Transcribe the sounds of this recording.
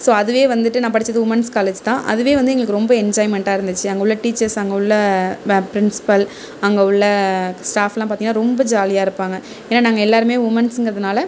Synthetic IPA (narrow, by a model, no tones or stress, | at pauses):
soːɐðɯʋeːʋɐnd̪ɯʈːɯnãːpɐɽɪt͡ʃːɾɐðɯʋʊmɐnskaːleːd͡ʒt̪ãːʔɐ̰ðɯʋeːʋɐnd̪ɯɛŋɡɐɭɯkːɯɾɔmbɐɛɲd͡ʒaːɪmɛɳʈaːɪɾɯnd̪ɯt͡ʃːɯɐŋɡɐɯɭːɐʈiːt͡ʃːɐɾsɐŋɡɐɯɭːɐpɪɾɪnsɪ̥pɐl | ɐŋɡɐʊɭːɐsʈaːfɛlãːpaːt̪iŋɐnːaːɾɔmbɐd͡ʒaːlɪjaːɪɾɯpːaːŋɡɐ | eːnːaːnaːŋɡɐɛlːaːɾɯmeːʋʊmɐnsɯŋɡɐɾɐðɐnaːlɐ